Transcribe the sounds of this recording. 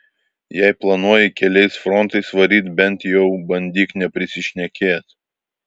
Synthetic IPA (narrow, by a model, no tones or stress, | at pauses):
jɛɪplˠɐnuɔjɪkʲɛlʲɛɪsfɾɔnt̪ɐɪsʋɐɾʲiːt̪bʲɛnt̪jɛʊbɐnʲd̪ʲiːknʲɛpʲɾʲɪsʲɪʃʲnʲɛkʲeːt̪